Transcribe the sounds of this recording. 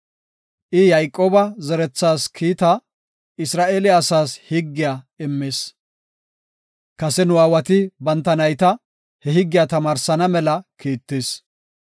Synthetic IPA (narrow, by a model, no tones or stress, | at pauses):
ʔɪjɐjkʼːoːbɐzɛɾɛt͡sːaːskʰiːt̪ɐ | ɪsɾaːʔeːlɪːsaːshɪɡːɪjaː | ɪmːeːs | kɐsɛnʊwaːwɐt̪ɪbɐnt̪ːɐnɐjt̪ɐ | hɛɦɪɡːɪjat̪ɐmaːɾsɐnɐmɛlɐkiːt̪ːeːs